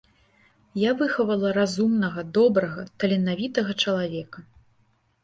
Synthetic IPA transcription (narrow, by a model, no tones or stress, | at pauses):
javɨxɐvɐlˠɐɾazumnɐɣɐd̪ɔbɾɐɣɐt̪ɐlʲɛnavʲit̪ɐɣɐt͡ʂɐlˠavʲɛkɐ